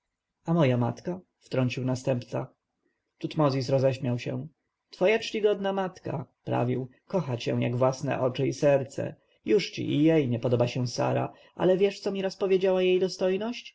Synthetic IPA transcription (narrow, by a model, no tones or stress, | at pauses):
amɔjamat̪ka | ft̪ɾɔɲt͡ɕiwnast̪ɛmpt̪sa̰ | t̪ut̪mɔzʲis̬ɾɔzɛɕmʲjawɕɛ̰̃ | t̪fɔjat͡ʂt͡ɕiɡɔd̪namat̪ka̰pɾa̰vʲiw | kɔxat͡ɕɛ̰w̃ja̰ɡvwasnɛ̰ʔɔt͡ʂɘisɛɾt̪sɛ̰ | juʂt͡ɕḭʔijɛjɲɛpɔd̪ɔbaɕɛw̃sa̰ɾa̰ | ʔa̰lɛvʲjɛʂt̪sɔmʲiɾaspɔvʲjed͡ʑawajejd̪ɔst̪ɔjnɔɕt͡ɕ